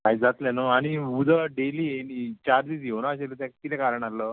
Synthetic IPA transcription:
kaɦjd͡zat̪lanəaɽ̃iud̪ʱəɖeliːenit͡ɕaɾd̪iːs̬jonaːɕelt̪jãkkit̪ɛkaɾəɳ̃aləː

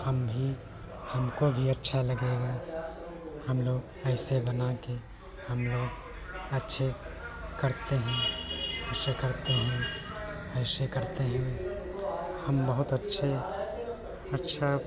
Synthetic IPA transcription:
həmbʱi | həmkobʱiɐtːʃʰalɐɡeɡa | həmloːɡ | ɛɪsebənake | həmloːɡ | ɐtːʃʰe | kɐɾt̪eɦɛ̃ɛsekəɾt̪eɦɛ̃ | ɛɪsekɐɾt̪eɦɛ̃ | həmbəɦʊt̪ətːʃʰe | ətːʃʰa

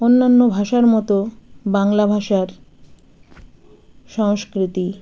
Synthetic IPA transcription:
onːanːobʱaʃaɾmɔt̪obaŋlabʱaʃaɾ | ʃɔŋʃkɾit̪i

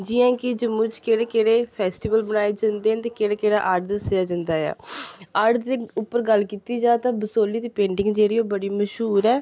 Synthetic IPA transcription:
d͡ʒɪãːkɪd͡ʒəmːũːt͡ʃkeːɽeːkeːɽeːpʰɛːsʈiːʋəlbənaːeːd͡ʒənd̪eːɛ̃ːt̪eːkeːɽeːkeːɽaːʔəɾɖd̪əsjaːd͡ʒə̃nd̪aːja̰ːəɖd̪eːʊpːəɾɡəlkiːt̪iːd͡ʒãːt̪ãːbəsoːliːd̪iːpẽːɳʈɪŋɡd͡ʒeːɽiːoːbəɽiːməʃɦuːɾɛː

